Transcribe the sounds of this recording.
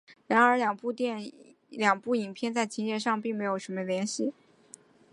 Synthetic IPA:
ɻa˧˥nə˞˧˥ljɑ˨˩ŋpu˥˧t̪jɛ˥˩n | ljɑ˨˩ŋpu˥˩i˨˩ŋpʰjɛ˥˧nt͡sa˥˩ɪt͡ɕʰi˧˥ŋjɛ˧˥˩nʂɑ˥˧ŋpi˥˩ŋme˧˥ɪjo˨˩ʊʂə˧˥mə˧ljɛ˧˥nɕi˥˩

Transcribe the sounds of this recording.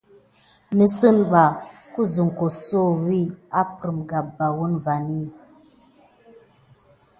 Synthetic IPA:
ni˦sɨ˦˨nɓa˨ | ku˦zu˨ŋ˨ko˨so˦˨wi˦a˦pɾi˨mɡa˨p̚ba˨wu˦nva˨ni˦

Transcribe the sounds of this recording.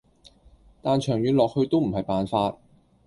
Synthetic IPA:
t̪aː˨nt͡ʃʰœː˨˩ŋjyː˨˥nlɔː˨k̚hɵ˧ɥt̪o˥wm̩˨˩hɐ˨jpaː˨nfaː˧t̚

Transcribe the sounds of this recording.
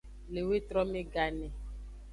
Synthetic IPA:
le˨we˦t̪ɾɔ˦mẽ˦ɡa˨ne˨

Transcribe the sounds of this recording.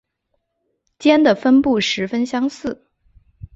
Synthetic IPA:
t͡ɕjɛ˥nd̪ə˨fə˥npu˥˩ʂɻ̩˧˥fə˥nɕjɑ˥ŋsɹ̩˥˩

